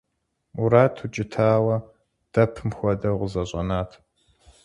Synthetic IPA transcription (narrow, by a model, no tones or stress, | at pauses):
uɾaːtʰut͡ʃʼɪtʰaːwɐ | d̥ɐpʰmxʷɔdɐʁʷʊzɐɕʼɐnaːtʰ